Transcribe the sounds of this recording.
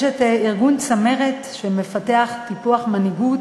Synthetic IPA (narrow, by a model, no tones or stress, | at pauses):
ʃeteiʁɡunt͡sameʁetʃemefateaχtipuaχmaniɡut